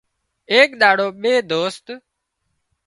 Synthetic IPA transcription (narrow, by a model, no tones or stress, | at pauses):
eːkɗ̪aːɽoːɓeːd̪oːst̪